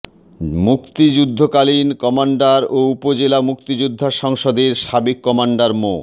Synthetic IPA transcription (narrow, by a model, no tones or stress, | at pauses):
mukt̪id͡ʑud̪ʱːokalinkɔmaɳɖaɾoupod͡ʑelamuk̚t̪id͡ʑud̪ʱːaʃɔŋʃod̪eɾʃabekːɔmaɳɖaɾmo